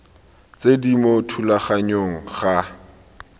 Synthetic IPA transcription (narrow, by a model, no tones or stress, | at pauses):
t͡sedimotʰulaχaɲoŋ̩χa